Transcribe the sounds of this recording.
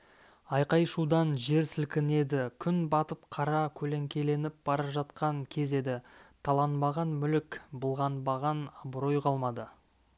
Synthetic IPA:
ɑjqɑjʃud̪ɑnʒe̞ɾsɪlkʲɪne̞d̪ɪkʲʰʏnbɑt̪əp̚qʰɑɾɑkʲʰɵle̞ŋkʲe̞le̞nɪp̚b̥ɑɾɑpʒɑt̪̚qɑŋkʲʰe̞ze̞d̪ɪt̪ʰɑlˠɑnmɑʁɑnmʏlɪkbəlˠʁɑnbɑʁɑnɑbɾo̞jqɑlˠmɑd̪ə

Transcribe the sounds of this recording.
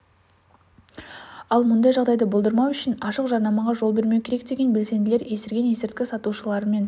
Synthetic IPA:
ɑlˠmʊnd̪ɑjʒɑʁd̪ɑjd̪əbolˠd̪əɾmɑwʏʃɪnɑʃəqʒɑɾnɑmɑʁɑʒo̞lˠbe̞ɾme̞wkʲʰe̞ɾe̞k̚d̪e̞ɡʲe̞nbʲe̞lse̞nd̪ɪle̞ɾje̞sɪɾɡʲe̞nje̞sɪɾt̪̚kʲɪsɑt̪uʃəlˠɑɾəme̞n

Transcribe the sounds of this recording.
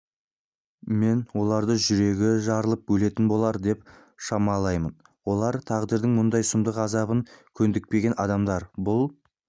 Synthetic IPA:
me̞nwo̞lˠɑɾd̪əʒʏɾe̞ɡʲɪʒɑɾəlˠəp̚bɵle̞t̪ɪnbo̞lˠɑɾd̪e̞p̚ | ʃɑmɑlˠɑjmən | wo̞lˠɑɾt̪ʰɑʁd̪əɾd̪ɪŋmʊnd̪ɑjsʊmd̪əqɑzɑβəŋkʲʰɵnd̪ɪk̚pe̞ɡʲe̞nɑd̪ɑmd̪ɑɾbʊlˠ

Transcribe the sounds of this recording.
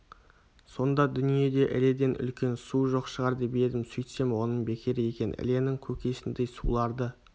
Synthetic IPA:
so̞nd̪ɑd̪ʏnije̞d̪e̞ʔɪ̰led̪e̞nʔʏ̰lkʲe̞nsuʒo̞qʃəʁɑɾd̪eb̪ed̪ɪmsʏjt̪se̞mwo̞nəɴbe̞kʲʰeɾɪje̞kʲe̞n̰ɪ̰le̞nɪŋkʲʰɵkʲe̞sɪnd̪ejsulˠɑɾd̪ə

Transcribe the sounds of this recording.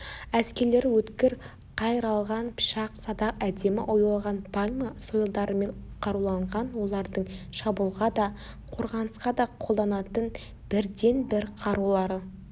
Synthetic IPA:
æskʲe̞ɾle̞ɾwɵt̪kʲɪɾ | qʰɑjəɾɑlˠʁɑnpʰɪ̥ʃɑqsɑd̪ɑqæd̪e̞mɪ̰ʔojɑlˠʁɑnpʰalʲmɑso̞jəlˠd̪ɑɾəme̞ɴqʰɑɾulˠɑɴʁɑnwo̞lˠɑɾd̪əɴʃɑbulˠʁɑd̪ɑ | qʰo̞ɾʁɑnəsqɑd̪ɑqʰolˠd̪ɑnɑt̪ən | b̥ɪɾd̪e̞nbɪɾqʰɑɾulˠɑɾə

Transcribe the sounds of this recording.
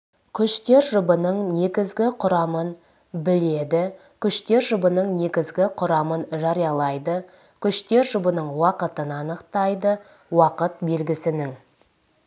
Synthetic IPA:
kʲʰʏʃt̪e̞ɾʒʊbənəɴne̞ɡʲɪzɡʲɪqʰʊɾɑmən | bɪle̞d̪ɪ | kʲʰʏʃt̪e̞ɾʒʊbənəɴne̞ɡʲɪzɡʲɪqʰʊɾɑmənʒɑɾijɑlˠɑjd̪ə | kʲʰʏʃt̪e̞ɾʒʊbənəɴwɑqət̪ənɑnəqt̪ɑjd̪ə | wɑqət̪̚be̞lɡʲɪsɪnɪŋ

